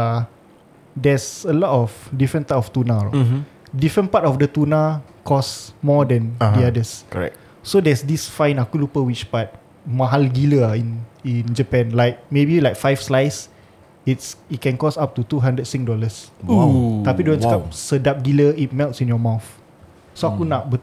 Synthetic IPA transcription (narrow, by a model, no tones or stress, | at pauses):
dɛsəlɔtɔfdifɹə̃ntatɔft̪una | difɹə̃npatɔfdət̪unakʰɔsmɔdɛ̃ndiadəskɛ̰ | sodɛsdisfãj̃nakulupəwit͡ʃpat̚ | maɦalɡiləĩnĩnd͡ʒəpɛ̃nlajk̚mebilajkfajfslajs | itsit̚kɛ̃nkɔsap̚tut̪uɦãndət̚sĩk̚dɔləs | t̪apidõnskap̚sədap̚ɡiləit̚mɛltsĩnjɔmawθ | soakunaʔbə